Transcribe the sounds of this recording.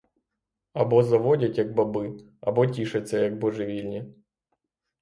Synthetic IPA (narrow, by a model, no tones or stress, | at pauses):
ɐbɔzɐʋɔdʲɐtʲjɐɡ̚bɐbɨ | ɐ̰bɔtʲiʂɐt͡sʲːɐjɐɡ̚bɔʐɨʋʲilʲnʲi